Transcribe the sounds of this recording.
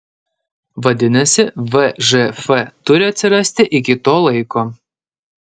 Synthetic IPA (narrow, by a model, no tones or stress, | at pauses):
ʋɐd̪ʲɪnɐsʲɪʋɛʒɛfɛt̪ʊɾʲɪɐt̪ʲsʲɪɾɐsʲt̪ʲɪʔɪkʲɪt̪oːlˠɐɪkoː